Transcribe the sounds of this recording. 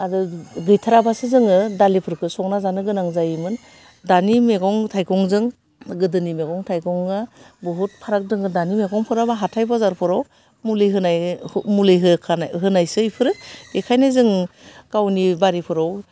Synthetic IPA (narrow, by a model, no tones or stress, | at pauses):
adɯɡɯjtʰaɾabasɯzɯŋɯdalipʰɯɾkʰɯsɔŋnazanɯɡɯnaŋzajimɯn | danimeɡɔŋtʰajkɔŋzɯŋ | ɡɯdɯnimeɡɔŋtʰajkɔŋa | bɔɦut̚pʰaɾak̚dɯŋɯdanimeɡɔŋpʰɯɾabaɦatʰajbazaɾpʰɯɾɔw | mulɯɦɯnajmulɯjɦɯkʰɦɯnajsɯipʰɯɾɯekʰajnɯzɯŋkawnibaɾipʰɯɾɔw